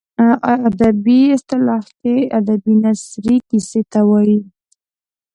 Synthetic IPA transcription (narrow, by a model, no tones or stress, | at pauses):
aad̪abiɪst̪ɪlɑhkead̪abinasɾikiset̪awɑji